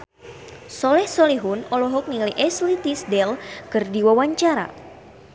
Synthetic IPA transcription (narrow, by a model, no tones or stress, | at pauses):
sɔlɛhsɔliɦunɔlɔɦɔk̚niliʔɛslit̪isdɛlkɨrdiwawaɲt͡ʃaɾa̰